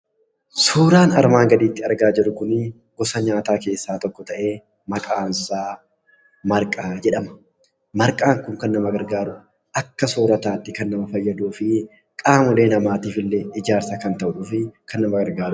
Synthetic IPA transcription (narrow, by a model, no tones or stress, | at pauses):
suːɾaːnɐɾmaːŋɡɐd̪iːt̪ːɪɐɾɡaːd͡ʒɪɾʊkʊnɪ | ɡ̥ɔsɐɲaːt̪aːke̞ːsːaːt̪ɔkːɔt̪ɐʔe̞ː | mɐkʼaːnsaː | mɐɾkʼaːd͡ʒɛᶑɐmɐ̥ | mɐɾkʼaːŋkʊŋkɐnːɐmɐɡɐɾɡaːɾʊ | ʔɐkːɐsoːɾɐt̪aːt̪ːɪkɐnːɐmɐfɐjːɐd̪uːfɪ | kʼaːmʊle̞ːnɐmaːt̪iːfɪlːɛɪd͡ʒaːɾsɐkɐnt̪ɐʔuːfɪkɐnːɐmɐɡɐɾɡaːɾʊ